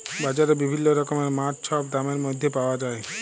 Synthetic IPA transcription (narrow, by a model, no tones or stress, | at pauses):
bad͡ʑaɾebibʱinːoɾɔkomeɾmaɾt͡ʃʃʰɔp̚d̪ameɾmojd̪ʱjepaoad͡ʒae